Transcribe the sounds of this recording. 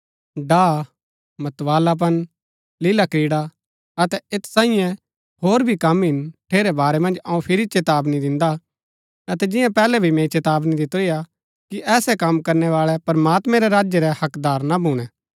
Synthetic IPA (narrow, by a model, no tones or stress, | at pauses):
ɖaː | mɐt̪ʋaːlap̬ɐn | lɪlakɾiːɽa | ɐt̪ɛet̪ʰsaːɪ̃jɛ̃ | hoːɾbʱikɐmɦɪnʈʰeːɾɛbaːɾɛmɐ̃nd͡ʒɐũpʰɪɾit͡ʃet̪aːbnid̪ɪ̃nd̪a | ɐt̪ɛd͡ʒɪ̃jãpɛːlɛbʱimẽːt͡ʃet̪aːbnid̪ɪt̪oija | kiʔɛːsɛkɐmkɐɾnɛʋaːɭɛpɐɾmaːt̪mɛ̃ɾɛɾaːd͡ʒjeɾɛhɐkd̪aːɾnabʱuːɽ̃ɛ